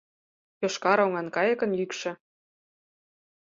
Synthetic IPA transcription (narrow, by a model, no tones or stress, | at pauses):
poʃkɑɾoŋɑnkɑjɤ̆kɤ̆njykʃɘ̆